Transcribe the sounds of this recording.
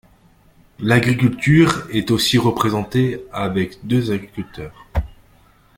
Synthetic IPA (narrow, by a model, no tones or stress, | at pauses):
laɡʁikʲylt̪yʁɛt̪osiʁəpχezɑ̃t̪eavɛkd̪øzaɡʁikʲylt̪œːʁ